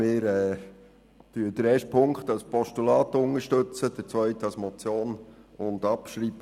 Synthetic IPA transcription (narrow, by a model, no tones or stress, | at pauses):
ɪːɾɛː | tyːd̥əɾɛːʃtpʰʊŋkχtɑlspʰɔʃtulɑːt̪ʊŋəʃtɵt͡səd̥əɾt͡sʋœʏtɑlsmɔt͡sjoːnʊndɑpʃɾiːb̥ə